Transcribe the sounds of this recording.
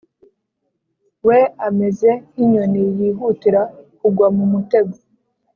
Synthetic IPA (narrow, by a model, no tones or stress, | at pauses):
we̞ame̞ze̞iɲonijiːɦutiɾakuɡwamumute̞ɡo